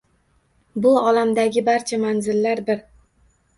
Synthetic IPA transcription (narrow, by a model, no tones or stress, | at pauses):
bʊɒlamd̪aɡʲɪbaɾt͡ʃʰamanzɪlːaɾbɪɾ